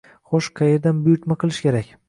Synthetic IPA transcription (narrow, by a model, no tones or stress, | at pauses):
χoʃqʰɑjeɾd̪anbʊjʊɾt̪maqʰɨlˠɪʃkʲʰe̞ɾakʲ